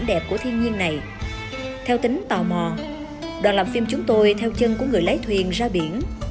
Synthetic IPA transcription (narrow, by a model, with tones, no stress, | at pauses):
nɗɛ˨˩p̚ku˧˩ət̪ʰi˧ənɲi˧ənːa˨˩j | t̪ʰɛ˧wt̪ï˨˦ŋ̟t̪ɔ˨˩mɔ˨˩ | ɗwaː˨˩nla˨˩mfi˧mt͡ɕʊ˨˦ŋ͡mt̪o˧jt̪ʰɛ˧wt͡ɕə˧nku˧˩əŋɨ˨˩əjlə˨˦jt̪ʰwi˨˩ənzaː˧ɓi˧˩ən